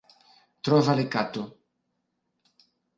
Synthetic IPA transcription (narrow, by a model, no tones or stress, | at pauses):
t̪ɾɔvalekat̪o